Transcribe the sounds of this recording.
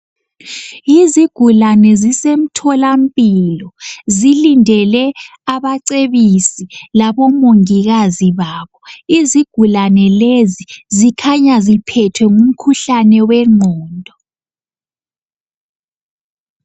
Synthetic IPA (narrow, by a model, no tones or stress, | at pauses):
iziɡ̥ʱulanɛzisem̩tʰɔlam̩pʼilɔzilindʱɛlɛaβaǀeβisilaβɔmoŋiɣaziβaːβɔiziɡ̥ʱulanɛlezizikʰaɲazipʰɛtʰwɛŋum̩kʰuɬanɛwɛŋ͡ǃʱɔːndʱɔ